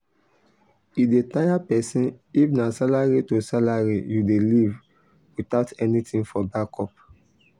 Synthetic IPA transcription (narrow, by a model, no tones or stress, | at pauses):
idetajapɛsĩnifnasalaɹitosalaɹijudeliv | wit̪aʊtɛnitʰĩŋfɔbakɔp